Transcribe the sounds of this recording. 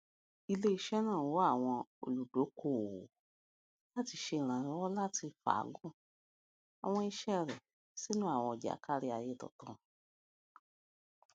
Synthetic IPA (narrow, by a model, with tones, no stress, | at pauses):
i˧le˦i˧˦ʃɛ˦nãː˦˨wo˦a˦˨w̃ɔ̃˧o̰˨lu˨do˨˦kʰo˦˨ | la˦ti˧ʃe˧ĩ˨ɾ̃ã˨ɾɔ̃˨˦ɔ˦la˦ti˧fa̰˨˦ɡũ˦˨ | a̰˨w̃ɔ̃˧i˧ʃɛ˦ɾɛ˨ | si˦nũ˦a˦˨w̃ɔ̃˧ɔ˨d͡ʒa̰˨˦ka˦˧ɾi˧a˧je˦˨tɔ̰˨tɔ̃˨˧˨